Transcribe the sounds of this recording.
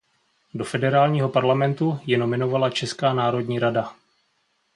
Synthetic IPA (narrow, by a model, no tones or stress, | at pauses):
do̞fɛdɛɾaːlɲiːɦo̞paɾlamɛnt̪ujɛno̞mɪno̞valat͡ʃɛskaːnaːɾo̞dɲiːɾada